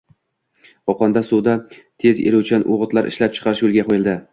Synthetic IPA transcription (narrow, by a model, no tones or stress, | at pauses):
ɒqʰɒnd̪asud̪at̪ʰezeɾuwt͡ʃʰɪanʔoʁɨt̪laɾʔɪ̰ʃlap̚t͡ʃʰɨ̥qʰɑɾɪʃjolˠɡʲameld̪ɪ